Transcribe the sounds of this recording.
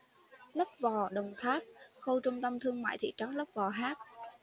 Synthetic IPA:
lə˦˥p̚vɔ˨˩ɗə˨˩wŋ͡mt̪ʰaː˦˥k̚xo˧wt͡ɕʊ˧ŋ͡mt̪ə˧mt̪ʰɨ˧əŋma̰ː˧˨jt̪ʰḭ˧˨t͡ɕa˨˦ŋlə˦˥p̚vɔ˨˩ɦaː˦˥t̚

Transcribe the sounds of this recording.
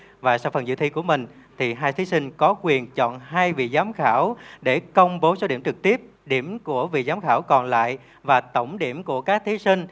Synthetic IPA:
vaː˨˩sa˧wfə˨˩nzɨ̰˧˨t̪ʰi˧ku˧˩əmï˨˩ŋ̟t̪ʰi˨˩ɦaː˧jt̪ʰi˨˦sï˧ŋ̟kɔ˨˦kwi˨˩ənt͡ɕɔ̰˧˨nhaː˧jvḭ˧˨zaː˨˦mxaː˧˩wɗe˧˩kə˧wŋ͡mɓo˨˦so˨˦ɗi˧˩əmt͡ɕɨ˨˩k̚t̪i˦˥əp̚ | ɗi˧˩əmku˧˩əvḭ˧˨zaː˨˦mxaː˧˩wkɔ˨˩nla̰ː˧˨j | vaː˨˩t̪ə˧˩wŋ͡mɗi˧˩əmku˧˩əkaː˦˥k̚t̪ʰi˨˦si˧ŋ̟

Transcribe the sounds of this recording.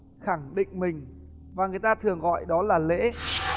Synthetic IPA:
xa˧˩ŋɗḭ̈˧˨ŋ̟mï˨˩ŋ̟ | vaː˨˩ŋɨ˨˩əjt̪aː˧t̪ʰɨ˨˩əŋɣɔ̰˧˨jɗɔ˨˦laː˨˩lḛ˧˥

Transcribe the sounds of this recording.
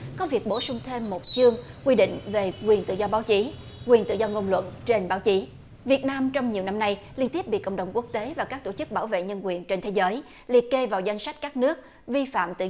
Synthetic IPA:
kɔ˨˦vi˨˩ək̚ɓo˧˩sʊ˧ŋ͡mt̪ʰe˧mːo˨˩t̚t͡ɕɨ˧əŋ | kwi˧ɗḭ˧˨ŋ̟ve˨˩kwi˨˩ənt̪ɨ̰˧˨zɔ˧ɓaː˨˦wt͡ɕi˨˦ | kwi˨˩ənt̪ɨ̰˧˨zɔ˧ŋo˧wŋ͡mlwə̰˧˨nt͡ɕe˧nɓaː˨˦wt͡ɕi˨˦ | vi˨˩ət̚naː˧mt͡ɕɔ˧wŋ͡mɲi˨˩wna˧mna˧jli˧ənt̪i˦˥əp̚ɓḭ˧˨kə̰˧˨ŋ͡mɗə˨˩wŋ͡mku˦˥ək̚t̪e˨˦vaː˨˩kaː˦˥k̚t̪o˧˩t͡ɕɨ˦˥k̚ɓaː˧˩wvḛ˧˨ɲə˧nkwi˨˩ənt͡ɕe˧nt̪ʰe˨˦zəː˨˦j | li˧˩ət̚ke˧vaː˨˩wza˧jŋ̟sa˦˥jk̟̚kaː˦˥k̚nɨ˦˥ək̚ | vi˧fa̰ː˧˨mt̪ɨ̰˧˨

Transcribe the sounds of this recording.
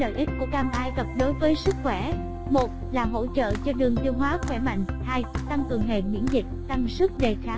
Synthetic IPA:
lə̰ː˧˨jʔi˦˥k̟̚ku˧˩əkaː˧mʔaː˧jɣə˨˩p̚ɗo˨˦jvəː˨˦jsɨ˦˥k̚xwɛ˧˩ | mo˨˩t̚laː˨˩ɦo̰˧˨t͡ɕə̰ː˧˨t͡ɕɔ˧ɗɨ˨˩əŋt̪i˧əwɦwaː˨˦xwɛ˧˩ma̰˧˨jŋ̟haː˧jt̪a˧ŋkɨ˨˩əŋɦḛ˧˨mḭ˧˥ənzï˨˩k̚t̪a˧ŋsɨ˦˥k̚ɗe˨˩xaː˨˦

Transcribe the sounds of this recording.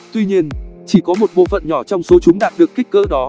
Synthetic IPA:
t̪wi˧ɲi˧ənt͡ɕi˧˩kɔ˨˦mo˨˩t̚ɓo̰˧˨fə̰˧˨nɲɔ˧˩t͡ɕɔ˧wŋ͡mso˨˦t͡ɕʊ˨˦ŋ͡mɗaː˨˩t̚ɗɨ˨˩əkːï˦˥k̟̚kə̰ː˧˥ɗɔ˨˦

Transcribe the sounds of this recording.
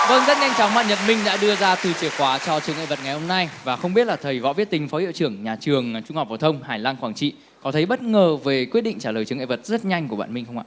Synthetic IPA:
ɗəː˧nzə˦˥t̚ɲa˧jŋ̟t͡ɕɔ˨˦wŋ͡mma̰ː˧˨nɲə˨˩p̚mï˧ŋɗa̰ː˧˥ɗɨ˧əzaː˧t̪ɨ˨˩t͡ɕi˨˩əkwaː˨˦t͡ɕɔ˧t͡ɕɨ˨˧˦əŋʔḛ˧˨˩və˨˩t̚ŋa˨˩jho˧ŋ͡mna˧jvaː˨˩xə˧wŋ͡mɓi˦˥ət̚laː˨˩t̪ʰə˨˩jvɔ̰˧˦vi˦˥ət̚t̪ï˨˦ŋ̟fɔ˨˦ʔḭ˧˨ə˨wt͡ɕɨ˧˩əŋɲaː˨˩t͡ɕɨ˨˩əŋt͡ɕʊ˧ŋ͡mh̚vːt̪ʰə˧wŋ͡mhaː˨˩jlaː˧nxwaː˧˩ŋt͡ɕḭ˧˨ | kɔ˨˦t̪ʰə˨˦jɓə˦˥t̚ŋəː˨˩ve˨˩kwi˦˥ɗḭ˧ŋ̟t͡ɕaː˧˩ləː˨˩t͡ɕɨ˨˩əŋḛ˧˨˩və˨˩t̚z̥ə˦˥t̚ɲa˧jŋ̟ku˧˩əɓa̰ː˧˨mï˧ŋ̟xə˧wŋ͡ma̰ː˧˨˩

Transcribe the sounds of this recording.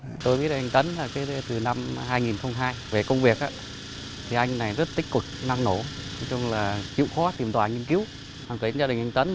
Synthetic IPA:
t̪o˧jɓi˦˥ət̚ːjŋ̟t̪ə˨˦nlaː˨˩ka˨˦jt̪ɨ˨˩na˧mɦaː˧jŋi˨˩nxə˧wŋ͡mɦaː˧jve˨˩kə˧wŋ͡mvi˨˩ək̚ʔaː˧˦ | t̪ʰi˨˩ʔa˧jŋna˨˩jzə˦˥t̚t̪ï˦˥k̟̚kwɨ˨˩k̚na˧ŋno˧˩˦nɔ˨˦t͡ɕʊ˧ŋ͡mlaː˨˩t͡ɕḭ˧˨əwxɔ˨˦t̪i˨˩mt̪waː˨˩ŋi˧ənk̬i˨˦w | ha˨˩kɨː˨˦˧nzaː˧ɗï˨˩ŋʔjŋ̟t̪ə˨˦n

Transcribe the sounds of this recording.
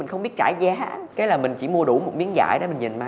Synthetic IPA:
ï˨˩ŋ̟xə˧wŋ͡mɓi˦˥ət̚t͡ɕaː˧˩jza˨˦˧kaː˨˦laː˨˩mï˨˩ŋ̟t͡ɕi˧˩mu˧əɗu˧˩mo˨˩t̚ɓi˨˦nza̰ː˧˩˨jɗḛ˧˦mï˨˩ŋ̟ɲi˨˩nmaː˧˦

